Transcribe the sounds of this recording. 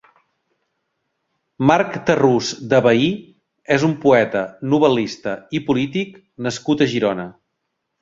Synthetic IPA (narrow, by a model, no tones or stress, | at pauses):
maɾkt̪əruzd̪əβəi | ezumpuɛt̪ənuβ̞əlist̪əipulit̪ik | nəskut̪əʒiɾɔnə